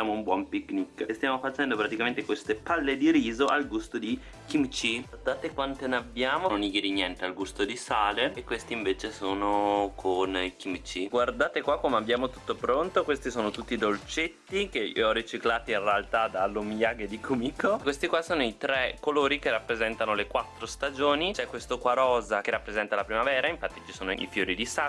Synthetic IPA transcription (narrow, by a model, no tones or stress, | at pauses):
aːmoumbwɔmpikːnikːest̪jaːmofat͡ʃɛnd̪opɾat̪ikament̪ekwest̪epalːed̪iɾiːzoʔalɡust̪od̪i | kimt͡ʃiɡward̪aːt̪ekwant̪enabjaːmononiɡiɾiɲjɛnt̪ealɡust̪od̪isaːleekːwest̪iɱveːt͡ʃesoːnokʰonikimt͡ʃiɡward̪aːt̪ekwakːomeabːjaːmot̪u̥t̪ːopɾont̪okwest̪isoːnot̪ut̪ːid̪olt͡ʃet̪ːikeḭɔrit͡ʃiklaːt̪iinrealt̪ad̪alomijaːɡed̪ikʰomiːkʰokwest̪ikwasoːnoit̪ɾɛkːoloːɾikerːapːɾezɛnt̪anolekwat̪ːɾost̪ad͡ʒoːnit͡ʃɛkːwest̪okwaɾɔːzakerːapːɾezɛnt̪alapɾimavɛːɾaiɱfat̪ːit͡ʃi̥soːnoḭfjoːɾid̪isa